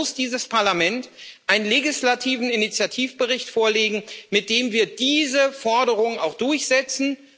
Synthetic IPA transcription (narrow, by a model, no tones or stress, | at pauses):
ʊsd̥iːzəspʰaɐlamɛntʔaɪnənleɡislatʰiːvn̩ɪnit͡sjatʰiːfb̥əʁɪçtfoːɐleːɡŋ̩mɪt̚d̥eːmviːɐd̥iːzəfɔɐɾəʁ̞ʊŋənaʊxd̥ʊɐçz̥ɛt͡sn̩